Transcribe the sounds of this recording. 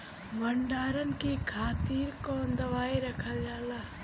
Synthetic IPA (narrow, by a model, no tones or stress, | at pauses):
bəɳɖaːɾənkikʰaːt̪iːɾkoːnd̪ɐʋaːiɾəkʰad͡ʒaːlaː